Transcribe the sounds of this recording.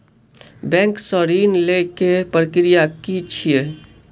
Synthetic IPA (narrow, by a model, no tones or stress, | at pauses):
bɛ̃ŋksəɾiːnlekepɾəkɾijakit͡ʃʰie